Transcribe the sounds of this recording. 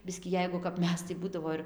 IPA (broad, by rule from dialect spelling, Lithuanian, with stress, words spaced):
ˈbʲɪsʲkʲiː ˈjɛɪɡʊ kɐp ˈmʲɛs tɐɪ ˈbuːdɐʋoː ɪr